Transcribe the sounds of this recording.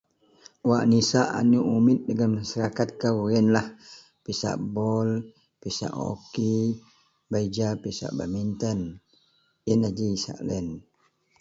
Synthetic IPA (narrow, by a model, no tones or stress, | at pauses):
waʔnisaʔa̰nuʔumɪt̪̚dəŋanmasaɾakat̪̚kawuɛnlah | pisa̰ʔbɔl | pisa̰ʔo̰ki | baid͡ʒapisa̰ʔba̰mint̪ən | ənad͡ʒisa̰ʔlɛn